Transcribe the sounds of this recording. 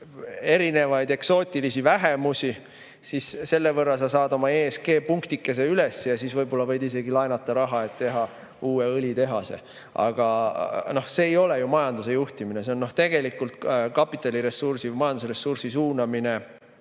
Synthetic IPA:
e̞ɾine̞vɑjd̪̥e̞kso̞ːt̪ʲˑilisivæɦe̞musʲi | sisse̞lːevɤrːɑlsɑsɑːd̪o̞mɑeːske̞ːpuŋkt̪ikːˑe̞s̬e̞ylesːejɑsisvɤjbo̞lːɑvɤ̞jd̪̥ise̞ɡilɑjnɑt̪ːˑɑɾɑɦɑe̞t̪t̪ːe̞ɦɑ | uːe̞ɤlʲit̪e̞ɦɑse̞̰ | ɑ̰ɡ̥ɑno̞hse̞ːjo̞le̞jumɑjɑnd̪̥use̞juht̪iminese̞o̞nːo̞ht̪e̞ɡ̥e̞likːˑult̪kɑpːˑit̪ːˑɑliɾe̞sursivmɑjɑnd̪usre̞sursisuːnɑmine̞

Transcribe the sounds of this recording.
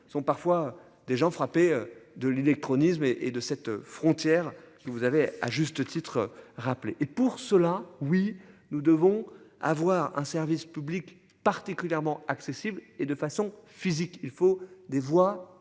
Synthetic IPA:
sɔ̃paʁfwa | d̪eʒɑ̃fχapeød̪əlelɛk̚t̪χɔnismeʔed̪əsɛt̪fχɔ̃t̪jɛʁkəvuzavea̰ʒyst̪ət̪it̪χəʁapleʔepuʁsəlawinud̪əvɔ̃a̰vwaʁɛ̰̃sɛʁvispyblik | paʁt̪ikʲyljɛʁmɑ̃aksesibled̪əfasɔ̃fizikilfod̪evwa

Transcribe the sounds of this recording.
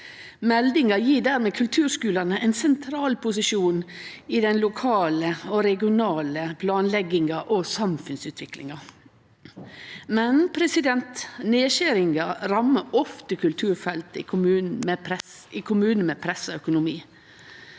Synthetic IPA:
mɛld̪ɪŋɑjiːɖæːɾmeːkʰʉlt̪ʰʉːɾskʉːlɑnəʔɛnsɛnt̪ʰɾɑːlpʰʊsɪʃuːn | iːd̪ɛnlʊkʰɑːləɔɾɛɡɪʊnɑːləpʰlɑːnlɛɡɪŋɑʔɔsɑmfʉnsʉːt̪ʰʋɪklɪ̰ŋɑ | mɛnpʰɾɛsɪd̪ɛnt̪neːʃæɾɪŋɡɑɾɑmːəɔft̪əkʰʉlt̪ʰʉːɾfɛlt̪əɪkʰʊmʉːnn̩mepɾɛs | ɪkʰʊmʉːnn̩meːpʰɾɛsɔœkʊnʊmiː

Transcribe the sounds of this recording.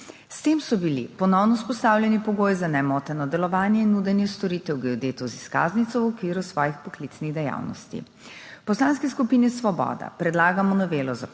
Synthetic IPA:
st̪eːmsɔbilḭpɔnɔwnɔspɔst̪aːwljɛnipɔɡoːjzanɛmɔːt̪ɛnɔd̪ɛlɔʋaːnjɛinːud̪ɛnjɛst̪ɔɾit̪ɛwɡɛod̪eːt̪ɔziskaːznit̪sɔwɔkʋiːɾusʋɔːjixpɔklit̪sniɣd̪ɛja̰wnɔ̰st̪ḭ | pɔslaːnskɛskupiːnisʋɔbɔ̰ːd̪a̰pɾɛd̪laːɡamɔnɔʋeːlɔza

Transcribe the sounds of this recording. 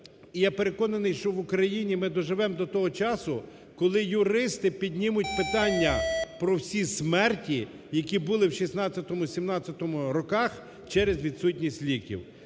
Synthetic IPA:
ijapeɾe̞kɔnɐnɪjʃt͡ʃɔʋʊkɾɐjinʲimɪd̪ɔʒɪʋɛmd̪ɔt̪ɔɦɔt͡ʃɑsʊ | kɔlˠɪjʊɾɪst̪ɪpʲidʲnʲimʊtʲpɪt̪ɑnʲːɐpɾɔwsʲismɛrtʲi | jɐkʲibʊlˠɪwʃisnɑt͡sʲːɐt̪ɔmʊsʲimnɑt͡sʲːɐt̪ɔmʊɾɔkɑx | t͡ʃɛɾezʋʲid̪sutʲnʲisʲtʲlʲikʲḭw

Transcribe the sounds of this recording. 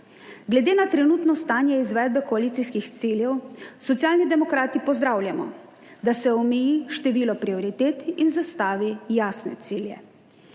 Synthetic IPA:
ɡlɛd̪eːnat̪ɾɛnuːt̪nɔst̪aːnjɛizʋɛːd̪̚bɛkɔaliːt̪sijskixt̪siljɛwsɔt̪sjaːlnid̪ɛmɔkɾaːt̪ipɔzd̪ɾawljamɔ̰ | d̪asɛɔmɛjiʃt̪ɛʋiːlɔpɾiɔɾit̪eːt̪inzast̪aːʋijaːsnɛ̰t̪siːljɛ

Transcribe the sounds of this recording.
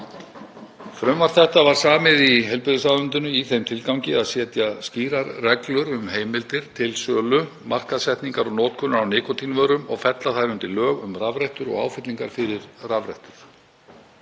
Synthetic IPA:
fɾœmvaɾ̥θɛht̪avaɾ̥saːmɪðiɦɛlpɪðʏsaðʏnt̪ʏnʏiθejmt̪ʰɪlkaw̃ŋcɪaðsjɛːt̪jasciːɾaɾrɛklʏɾʏmheːjmɪlt̪ɪɾ̥t̪ʰɪlsœːlʏ | mar̥kaðsɛht̪niŋkaɾɔɣnoːt̪̚kʰʏnaɾawnɪːkɔt̪ʰinvœːɾʏmɔɣfɛt̪laθaɾʏnt̪ɪɾlœːɣʏmravɾɛjht̪ʏɾɔ̰ɣa̰ːwfɪt̪liŋkaɾ̥fɪɾɪɾravɾɛ̰jht̪ʏɾ̥

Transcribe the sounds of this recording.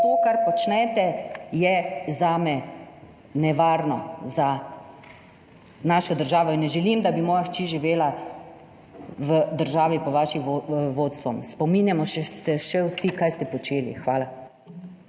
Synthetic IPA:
t̪oːkaɾpɔt͡ʃnɛt̪ɛjɛzaːmɛ | nɛʋaːɾnɔza | naːʃɔd̪əɾʒaːʋɔinːɛʒɛlimd̪abimɔːjaxt͡ʃiːʒiʋeːla | ʋəd̪əɾʒaːʋipɔʋaːʃiʋoːt̪sɔmspɔminjamɔʃɛsɛʃɛwsikaːjst̪ɛpɔt͡ʃeːlḭxʋaːla

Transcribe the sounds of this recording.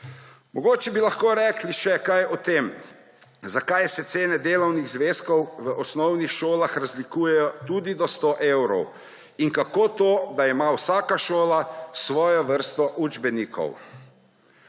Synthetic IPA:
mɔɡoːt͡ʃɛbilaxkoːɾɛkliʃɛkajɔt̪em | zakajsɛt̪seːnɛd̪eːlɔwnixzʋeːskɔwʋəʔɔsnɔwnixʃoːlaxɾazlikuːjɛjɔt̪uːd̪id̪ɔst̪oːʔewɾɔ̰w | inkakoːt̪oːd̪aɛmawsaːkaʃoːlasʋɔːjɔʋəɾst̪ɔʔud͡ʒbɛniːkʰɔ̰w

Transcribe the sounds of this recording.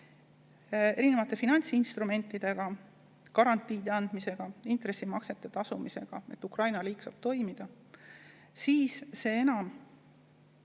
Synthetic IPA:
e̞ɾine̞vɑt̪ːˑe̞finɑnʲsinst̪ɾume̞nt̪ːˑid̪̥e̞ɡ̥ɑ | kɑɾɑnt̪ːˑiːd̪eɑnd̪̥mise̞ɡ̥ɑint̪re̞sːimɑkse̞t̪ːˑe̞t̪ɑsumise̞ɡ̥ɑe̞t̪ːˑukrɑjnɑliːksɑb̥̚t̪o̞jmid̪̥ɑ | siːsse̞ːe̞nɑm

